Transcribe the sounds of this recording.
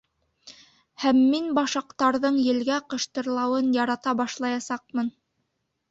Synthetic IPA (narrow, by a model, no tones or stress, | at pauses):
hæmːinbɑʃɑqt̪ɑɾðɤɴjɘ̆lɡæqɤ̆ʃt̪ɤ̆ɾlˠɑwɤnjɑɾɑt̪ɑbɑʃlˠɑjɑsɑq̚mɤn